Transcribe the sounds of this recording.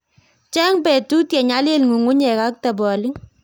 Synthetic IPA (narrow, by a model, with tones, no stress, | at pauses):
t͡ʃɛ˦ŋpɛ˨tu˦tjɛ˨ɲa˦lɪ˦lŋu˨ŋʊ˦ɲɛ˨ka˦k̚ta˨bɔ˨lɪ˦ŋ